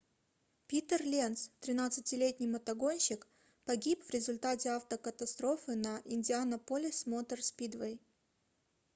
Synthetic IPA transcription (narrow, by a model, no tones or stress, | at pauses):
pʲit̪ərlʲent̪st̪ɾʲɪnat̪sɨtʲɪlʲetʲnʲɪjmət̪ɐɡo̞nʲɕɪk | pɐɡʲipvɾʲɪzʊlʲt̪atʲɪaft̪əkət̪ɐst̪ɾo̞fɨnɐʔɪnʲdʲɪanɐpolʲɪsmo̞t̪ərspʲid̪vəj